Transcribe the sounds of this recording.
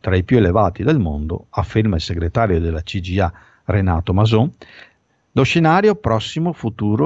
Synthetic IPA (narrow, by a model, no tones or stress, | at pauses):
t̪ɾaipjuelevaːt̪id̪elmond̪o̰afːermailseɡɾet̪aːɾjod̪elːat͡ʃid͡ʒia | rena̰ːt̪omazo | loʃenaːɾjopɾɔsːimofut̪uːɾo